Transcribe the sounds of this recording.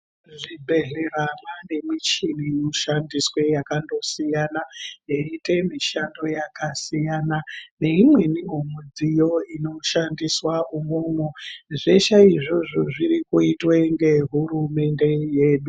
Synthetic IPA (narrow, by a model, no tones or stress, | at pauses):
ʐibʱe̞ɮeramane̞mit͡ʃinijoʃandiswe̞jakando̞sijanajeite̞miʃando̞jakasijanane̞imwe̞niomud͡zijo̞ino̞ʃandiswaumoːmwoʐeʃaiʐoʐoʐiɾikuitweŋɡe̞ɦurume̞nde̞je̞ːɗu